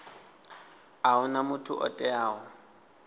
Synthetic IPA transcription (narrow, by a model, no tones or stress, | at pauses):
aʊnamʊtʰʊ̰ʔɔ̰tʼɛaːʊ